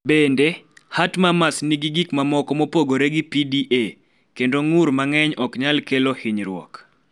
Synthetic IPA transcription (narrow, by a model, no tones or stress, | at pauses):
bendehatmamasniɡiɡikmamɔkɔmopoɡoɾeɡipidiʔe | kendoŋuɾmaŋɛɲɔkɲalkelohiɲɾwɔ̰k